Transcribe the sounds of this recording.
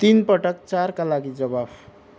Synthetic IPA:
t̪inpʌʈʌk̚t͡sarkalaɡid͡zʌbab

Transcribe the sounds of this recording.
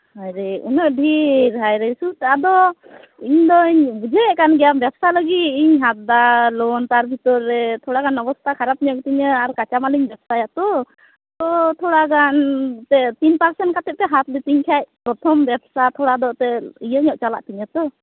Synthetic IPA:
hajɾɛunɔʔɖʱiɾɦajɾesut̪ɛad̪ɔ | iɲd̪ɔiɲbud͡ʒʱeɛʔkanɡɛjambjabsaləɡit̪iɲɦat̪̚d̪alɔnt̪aɾbʱit̪ɔɾːɛt̪ʰɔɽakanɔbɔst̪ʰakʰaɾap̚ɲɔʔ̚t̪iɲəaɾkat͡ʃamaliɲbɛbsajat̪ɔ | t̪ɔt̪ʰɔɽakant̪ɛt̪inpaɾsɛnt̚kat̪ɛp̚t̪ɛɦat̪lit̪iɲkʰac̚pɾɔt̪ʰɔmbɛbsat̪ʰɔɽad̪ɔt̪ɛijəɲɔʔt͡ʃala̰ʔt̪iɲət̪ɔ

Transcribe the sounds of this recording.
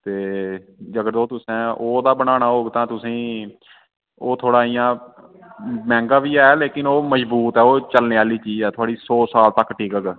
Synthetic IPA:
t̪eːd͡ʒəɡəɾd̪oːt̪ʊsɛ̃ːʔoːd̪aːbənaːnaːɦoːɡt̪ãːt̪ʊsĩː | oːt̪ʰoːɽaːijãː | mɛ̃ːŋɡaːʋiːɛːleːkɪnoːməd͡ʒbuːt̪ɛːoːt͡ʃəlneːaːliːt͡ʃiːzɛːt̪ʰʊaːɽiːsoːsaːlt̪əkːʈʰiːkəɡ

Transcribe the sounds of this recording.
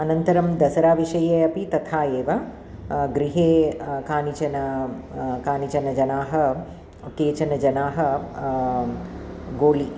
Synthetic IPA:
ɐnɐnt̪ɐɾɐmd̪ɐsɐɾaːʋiʃɐjeːɐpit̪ɐt̪ʰaːeːʋɐ | ɡɾiɦeːkaːnit͡ʃɐnɐ | kaːnit͡ʃɐnɐd͡ʒɐnaːɦɐ | keːt͡ʃɐnɐd͡ʒɐnaːɦɐ | ɡoːli

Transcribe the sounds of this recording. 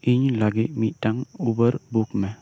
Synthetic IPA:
iɲlaɡimitaŋubəɾbukmɛ

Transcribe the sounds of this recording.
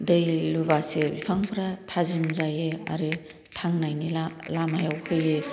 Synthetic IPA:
dejluβasebipʰaŋpʰɾatʰazimzajea̰ɾe | tʰaŋnajnialamajawpʰɯje

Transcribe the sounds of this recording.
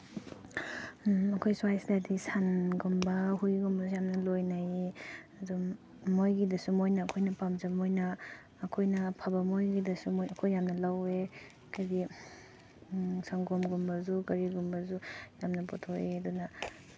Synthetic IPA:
ɐkʰojswajsdadisanɡumbɐhujɡumbɐzujamnɐlojnajiɐdumː | ojɡidɐsumojnɐːkʰojnɐpamzɐbmojnɐː | kʰojnɐpʰabɐmojɡidɐsumojɐkʰojːamnɐlawe | kɐɾi | saŋɡomɡumbɐzukɐɾiɡumbɐzujamnɐpɔtʰoiɐdunɐ

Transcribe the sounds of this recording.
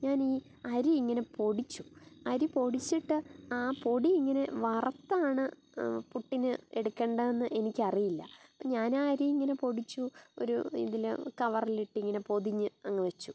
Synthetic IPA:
ɲaːniː | ɐɾiiŋːɐne̞po̞ɽit͡ɕːuɐɾipo̞ɽit͡ɕːiʈːɨaːpo̞ɽiiŋːɐne̞ʋɐrɐt̪ːaːɳɨ | puʈːinɨe̞ɽukʲːeːɳɖɐenːɨʔe̞nikʲːɐrijilːɐ̰ɲaːnaːɾiiŋːɐne̞po̞ɽit͡ɕːuo̰ɾṵḭðilkɐʋɐriliʈːɨiŋːɐne̞po̞ðiɲːɨɐŋːɨʋet͡ɕːu

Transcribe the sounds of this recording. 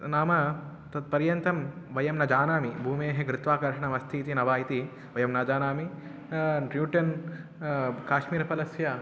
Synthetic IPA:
naːmɐ | t̪ɐt̪̚pɐɾjɐnt̪ɐmʋɐjɐmnɐd͡ʒaːnaːmibʱuːmeːɦeɡɾɪt̪ʋaːkɐɾʂɐɳɐmɐst̪ʰiːt̪inɐʋaːjit̪i | ʋɐjɐmnaːd͡ʒaːnaːmi | ɾjuːʈɐn | kaːʃmiːɾɐpɐlɐsjɐ

